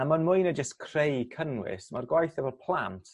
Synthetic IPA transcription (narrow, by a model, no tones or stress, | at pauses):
amanmʊjnəd͡ʒəstkʰr̥ejkʰənwɪ̰smarɡwajθɛbɔdpʰlˠamtʰ